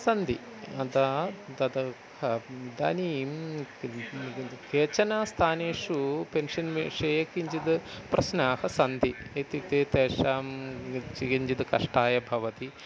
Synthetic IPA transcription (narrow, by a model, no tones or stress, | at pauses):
sɐnd̪ʱi | ɐd̪ad̪ɐd̪ɐ | hɐd̪aːnim | keːt͡ʃɐnaːst̪ʰaːneːʂupenʂɐnʋiʂɐjɐkiɲt͡ʃid̪ɨpɾɐʃnaːhɐsɐnd̪ʱiet̪it̪eːt̪eːʂaːmt͡ʃikiɲt͡ʃid̪ɨkɐʂʈaːjɐbʱɐʋɐt̪i